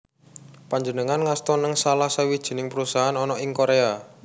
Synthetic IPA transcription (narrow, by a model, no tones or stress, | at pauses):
paɲd͡ʒənəŋanŋast̪ɔnəŋsalahsəwid̥ʒ̥i̤nɪŋpəɾusaɦanɔnɔɪŋkoɾea